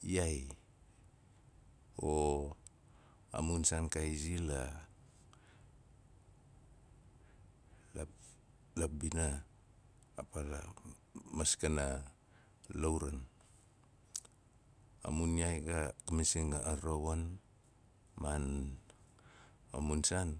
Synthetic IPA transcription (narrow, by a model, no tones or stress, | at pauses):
iaj | o | a̰munsankajzila | la | labinaː | pala̰ | maskana | lowɾan | a̰muniajɡakamisiŋaaɾowon | man | amunsan